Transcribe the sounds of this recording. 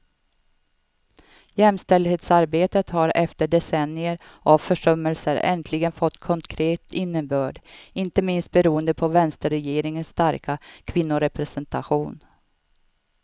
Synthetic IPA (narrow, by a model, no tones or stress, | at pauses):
jɛmst̪ɛld̪heːt̪saɾbeːt̪ət̪haɾɛft̪əɖɛsɛnɪəɾ | ʔavfœʂœmːəlsəɾɛ̰nt̪ʰlɪɡənfɔt̪ːkʰɔŋkʰɾeːt̪ɪnːəbœːɖɪnt̪əmɪnst̪̚bɛɾuːənd̪əpʰɔvɛnst̪əɾɛjeːɾɪŋənst̪aɾkʰakʰvɪnːʊɾɛpɾɛsɛnt̪ʰaɧuːn